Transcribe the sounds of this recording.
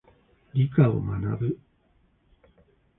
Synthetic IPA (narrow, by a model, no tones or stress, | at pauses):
ɾʲikao̰mana̰bɯ